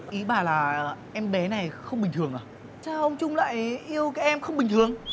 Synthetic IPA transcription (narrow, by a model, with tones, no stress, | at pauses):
ʔi˨˦ɓaː˨˩laː˨˩ʔɛ˧mɓɛ˨˦na˨˩jxə˧wŋ͡mɓï˨˩ŋ̟t̪ɨ˨˩əŋʔaː˨˩ | t͡ɕaː˧˩ʔə˧wŋ͡mt͡ɕʊ˧ŋ͡mla̰ː˧˨jʔi˧əwkaː˨˦jʔɛ˧mxə˧wŋ͡mɓï˨˩ŋ̟t̪ʰɨ˨˩əŋ